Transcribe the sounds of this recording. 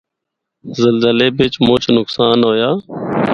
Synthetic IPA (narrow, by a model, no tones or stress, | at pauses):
zəlzəleːbeːt͡ʃmõːt͡ʃʰnʊksaːnɦoːjaː